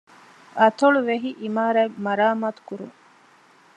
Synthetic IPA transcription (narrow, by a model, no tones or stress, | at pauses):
ɐt̪oɭuʋeɦiʔimaːɾæmɐɾaːmaːt̪u̥kuɾṵŋ